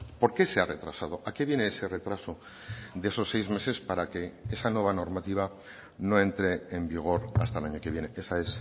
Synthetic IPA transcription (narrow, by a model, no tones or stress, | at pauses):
po̞ɾke̞se̞are̞t̪ɾasað̞o̞ʔake̞βje̞neese̞re̞t̪ɾaso̞ | d̪e̞so̞sːe̞jzme̞se̞spaɾake̞esanwe̞β̞ano̞ɾmat̪iβ̞a | no̞e̞nt̪ɾe̞ːmbiɣ̞o̞ɾast̪aelaɲo̞keβje̞ne̞ʔe̞saes